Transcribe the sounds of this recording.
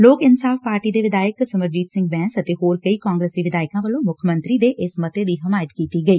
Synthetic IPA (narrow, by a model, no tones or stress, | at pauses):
loːkɪnsaːfpaːɾʈiːd̪eːʋɪd̪aːjəksəməɾd͡ʒiːt̪sɪ̃ŋɡbɛ̃ːnsət̪eːɦoːɾkəiːkãːŋɡɾeːsd̪iːʋɪd̪aːɪkãːʋəlõːmʊkʰəmə̃nt̪ɾiːd̪eːʔɪsmət̪eːd̪iːɦəmaːjət̪kiːt̪iːɡəiː